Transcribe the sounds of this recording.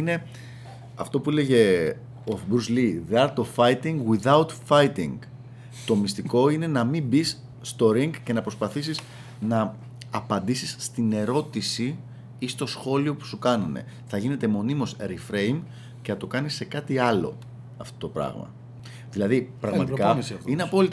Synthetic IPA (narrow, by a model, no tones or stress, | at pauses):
ine̞ | ɐ̰ft̪o̞puleʝe̞ | ofbɾuzliðeɐɾt̪ovfɐjt̪iŋɡwiðɐwt̪fɐjt̪iŋɡ | t̪o̞mist̪iko̞ine̞nɐmibisː | t̪o̞ɾiŋɡcenɐpɾo̞spɐθisis | nɐː | pɐnd̪isisːt̪ine̞ɾo̞t̪isi | ist̪o̞sxo̞lio̞pu̥sukɐnune̞̰ | θɐʝine̞t̪e̞mo̞nimo̞sɾifɾe̞jm | ce̞nɐt̪o̞kɐnisːe̞kɐt̪iɐlo̞̰ | ɐft̪o̞t̪o̞pɾɐ̰ɣmɐ̰ | ðilɐðipɾɐɣmɐt̪kɐineɐpo̞lit̪